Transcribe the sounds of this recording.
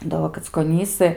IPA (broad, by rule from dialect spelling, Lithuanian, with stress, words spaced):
dɐ ˈʋoː kɐt͡skoːˈnʲiːsɨ